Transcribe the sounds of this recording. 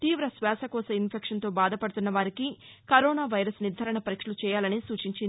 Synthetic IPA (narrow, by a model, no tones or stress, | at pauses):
t̪iːʋɾɐsʋɛːsɐkɔːsɐinpʰekʂɐnt̪o̞ːbaːd̪ʱɐpɐɽut̪unːɐʋaːɾikikɐɾɔːnaːʋɐjɾɐsniɾd̪ʱɐɾɐɳɐpɐɾikʂɐlut͡ʃɛːjaːlɐnisuːt͡ʃiɲt͡ʃini